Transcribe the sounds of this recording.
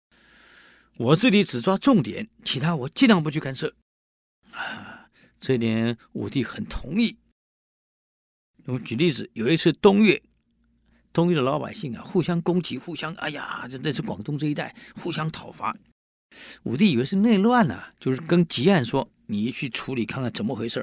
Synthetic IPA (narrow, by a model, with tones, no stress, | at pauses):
wɔ˨˩t͡sɹ̩˥˩t͡ɕi˧˥ʈ͡ʂɻ̩˨˩t͡swa˥ʈ͡ʂʊ˥˩ŋt̪jɛ̰˨˩˦nt͡ɕʰi˧˥t̪ʰa˥wɔ˨˩t͡ɕi˥˧nɑ˥˧ŋp̬u˧t͡ɕʰy˥˧ka˥nʂɤ˥˩ | a˧˩ | ʈ͡ʂɤ˥˩t̪jɛ˧˥nṵ˨˩t̪i˥˩xə˨˩nt̪ʰʊ˧˥ŋi˥˩ | n˥˩m˧t͡ɕy˨˩li˥˩t͡sɹ̩˨˩jo˨˩ʊi˥t͡sʰɹ̩˥˩t̪ʊ˥ŋɥɛ˥˩ | t̪ʊ˥ŋɥɛ˥˩d̪ə˩lɑ˧˥ʊpa̰˨˩ɪɕi˥˩ŋɐ̰˩xu˥˩ɕjɑ˥ŋkʊ˥ŋt͡ɕi˧˥xu˥˩ɕjɑ˥ŋa̰˧˩ɪja̰˨˩t͡ɕo˥˧a˥ɪt͡sʰɹ̩˥˩kwɑ˨˩ŋt̪ʊ˥ŋʈ͡ʂɤ˥˧i˥t̪a˥˩ɪxu˥˩ɕjɑ˥ŋt̪ʰɑ˨˩ʊfa̰˧˥ | ṵ˨˩t̪̬i˥˩i˨˩we˧˥ʂɻ̩˥˧ne˥˧ɪlɤ˥˧a˥˩nɐ̰˨˩t͡ɕjo˥˧ʊʂɻ̩˥˩kə˥nt͡ɕi˧˥a˥˩nʂwɔ˥ | ni˨˩t͡ɕʰy˥˩ʈ͡ʂʰu˧˥li˨˩kʰa˥˧nkʰa˥˩nʈ͡ʂə˧˥mə˧xwe˧˥ɪʂɤ˥˩